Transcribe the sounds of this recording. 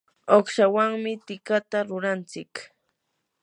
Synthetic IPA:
oχʃawaŋmɪt̪ɪkat̪aɾʊɾant͡sɪk

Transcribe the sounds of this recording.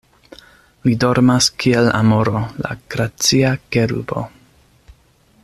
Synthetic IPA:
lido̞ɾmaskʰiela̰moɾola̰ɡ̥ɾat͡siakeɾṵbo̞̰

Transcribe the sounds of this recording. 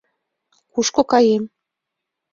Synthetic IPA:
kuʃkokɑjem

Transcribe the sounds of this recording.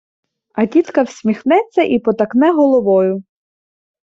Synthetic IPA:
ɐdʲit̪kɐwsʲmʲixnɛt͡sʲːɐʔipɔt̪ɐknɛɦɔlˠɔʋɔjʊ

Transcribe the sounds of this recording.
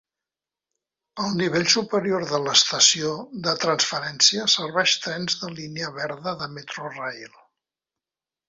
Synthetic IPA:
əlˠniβ̞eʎsupəɾioɾðələst̪əsioðət̪ɾənsfəɾɛnsiəsəɾβɛʃt̪ɾɛnzðəlineəβɛɾðəðəmet̪ɾorajlˠ

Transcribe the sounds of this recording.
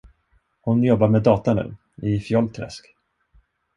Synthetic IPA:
hʊnjɔbːaɾmed̪ɑːt̪anʉ̟̰ː | ɪfjɔlt̪ʰɾɛ̰sk

